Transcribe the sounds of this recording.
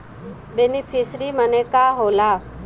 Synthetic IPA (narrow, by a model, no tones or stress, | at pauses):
ɓenipʰɪsɾiːmənekaːɦoːlaː